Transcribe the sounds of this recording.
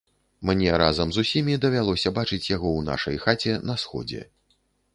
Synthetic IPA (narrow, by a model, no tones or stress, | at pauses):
mnʲɛɾazɐmzusʲimʲid̪ɐvʲalˠɔsʲɐbat͡ʂɨt͡sʲjaɣɔwna̰ʂɐ̰jxat͡sʲɛnɐsxɔ̰d͡zʲɛ̰